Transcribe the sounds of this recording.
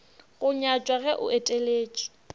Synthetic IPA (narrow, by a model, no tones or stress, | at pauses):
ɣʊɲat͡ʃʼwaɣɛʔʊ̰etʼeleːt͡ʃʼɔ̥